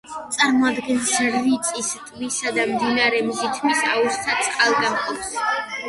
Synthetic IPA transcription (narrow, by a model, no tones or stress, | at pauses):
t̪sʼaɾmɔad̪ɡɛnsɾːit̪sʼist̪ʼmisad̪amd̪inaɾɛmzit̪ʰmisaust̪ʰat̪sʼqʼalˠɡ̪aχʼɔps